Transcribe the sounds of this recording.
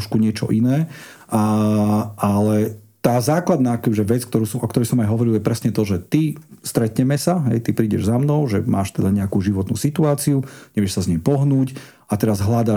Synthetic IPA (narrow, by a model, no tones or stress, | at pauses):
ʃkuɲɪɛt͡ʃɔ̰ʔinɛː | a | alɛt̪aːzaːklad̪naːkɛbiʒɛʋɛt͡skt̪ɔɾuːsɔmʔɔkt̪ɔɾɛjsɔmajɦɔʋɔɾiljɛpɾɛsɲɛt̪ɔʒɛt̪ist̪ɾɛt̪ɲɛmɛsaɦɛ̰jt̪ipɾiːɟɛ̰ʒzamnɔʊʒɛmaːʃt̪ɛd̪aɲɛakuːʒiʋɔt̪nṵːsit̪uaːt͡siuɲɛʋɪɛʃsazɲɛmpɔɦnuːc | at̪ɛɾazɦlad̪a